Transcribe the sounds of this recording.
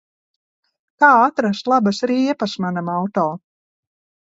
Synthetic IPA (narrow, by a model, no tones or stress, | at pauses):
k̪aːat̪ɾast̪lˠabasaɾiiɛpasmanamawt̪ɔː